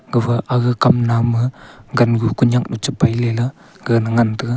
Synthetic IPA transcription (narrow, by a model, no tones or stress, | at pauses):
ɡɯbaʔaɡɯkamnamɯɡanɡukuɲjak̚nut͡ʃɯpajlelɐ | ɡɯnɯŋantɯ